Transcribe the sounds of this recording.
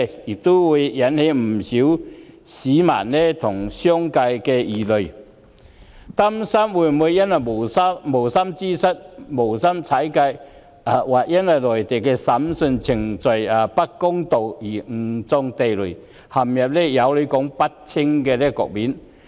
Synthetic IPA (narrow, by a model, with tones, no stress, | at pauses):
jɪ˨k̚t̪o˥wwuː˨˧˥jjɐ˨˥nhe˨˥m̩˨˩si˨˥w | siː˨˥ma̰ː˨˩nlɛ˥t̪ʰʊ˨˩ŋsœː˥ŋka˧jkɛː˧jiː˨˩lɵ˨ɥ | t̪ɐ˥msɐ˥mwuː˨˧jmu˨˧jːɐ˥nwɐ˨jmo˨˩wsɐ˥mo˨˩wsɐ˥mt͡siː˥sɐ˥t̚mo˨˩wsɐ˥mt͡sʰɐ˨˥jkɐ˧j | a˨˧waː˨˩k̚jɐ˥nwɐ˨˩jlɔː˨˩jt̪e˨jkɛː˧sɐ˨˥msɵ˧nt͡sʰɪ˨˩ŋt͡sɔ˨jaː˨pɐ˥t̚kːʊ˥ŋt̪o˨˩wjiː˨˩ŋ̩˨˩t͡sɔ˧ŋt̪e˨jlɵ˨˩ | hɐ˨˩mjɐ˨˩p̚lɛ˥jɐ˨˧wle˨˧˥kɔ˨˥ŋpɐ˥t̚t͡sʰɪ˥ŋkɛː˧lɛ˥kɔ̰ː˨k̚miː˨˥n